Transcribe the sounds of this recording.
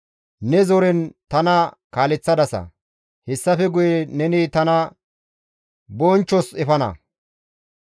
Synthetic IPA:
nɛzɔɾɛnt̪ɐnɐkaːlɛt͡sːɐd̪ɐsɐ̰ | hɛsːɐfɛɡʊjɛnɛniːt̪ɐnɐ | bɔːnt͡ʃːɔsɛfɐnɐ̰

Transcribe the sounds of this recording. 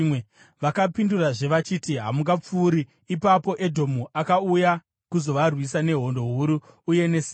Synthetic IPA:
e | ʋakapinduraʐe̞ʋat͡ʃitiɦamuŋɡap͡fuːɾiː | papo̞ʔe̞dʱo̞muʔakauja | kuzo̞ʋarwisane̞ɦo̞ndo̞ɦuɾuː | je̞ne̞si

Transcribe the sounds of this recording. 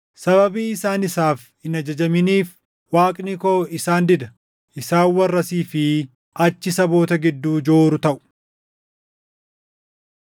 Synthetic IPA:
sɐβɐbiːɪsaːnɪsaːf | ɪnɐd͡ʒɐd͡ʒɐmɪniːf | waːkʼnikoːɪsaːnd̪ɪd̪ɐ | ʔɪsaːwwːɐrːɐsiːfɪ | ɐt͡ʃːɪsɐbo̞ːt̪ɐɡɪd̪ːuːd͡ʒoːɾʊt̪ɐʔʊ̥

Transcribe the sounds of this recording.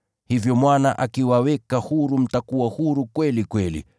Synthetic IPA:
hivjɔmwanaʔakiwawɛkahuɾum̩takuwahuɾukwɛlikwɛlḭ

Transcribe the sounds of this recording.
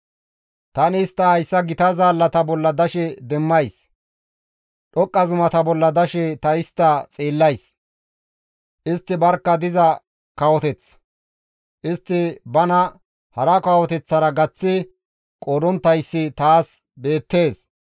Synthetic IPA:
t̪ɐnɪːst̪ːɐɐjsːɐɡɪt̪ɐzaːlːɐt̪ɐbɔlːɐd̪ɐʃɛd̪ɛmːɐjs | ɗɔkʼːɐzʊmɐt̪ɐbɔlːɐd̪ɐʃɛt̪ɐɪst̪ːɐt͡sʼiːlːɐjs | ʔɪst̪ːɪbɐɾkːɐd̪ɪzɐ | kɐwɔt̪ɛt͡s | ʔɪst̪ːɪbɐnɐ | hɐɾɐkɐwɔt̪ɛt͡sːɐɾɐɡɐt͡sːɪ | kʼoɾɔnt̪ːɐjsːɪt̪aːs | be̞ːt̪ːe̞ːs

